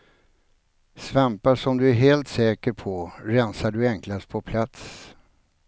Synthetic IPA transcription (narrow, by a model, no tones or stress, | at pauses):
svɛmpaʂɔmd̪ɵæɾɦeːlt̪sɛːkəɾpʰɔɾɛnsaɖɵɛŋklast̪̚pʰɔpʰlat̪s